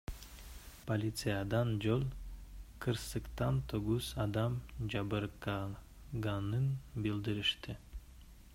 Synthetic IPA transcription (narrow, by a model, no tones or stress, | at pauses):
polʲit̪sɨjɑd̪ɑnd͡ʒolˠqʰɯɾsɯqt̪ɑnt̪ʰoɡuzɑd̪ɑmd͡ʒɑbɯɾkɑ | ɡɑnɯnbilʲd̪iɾiʃt̪ɪ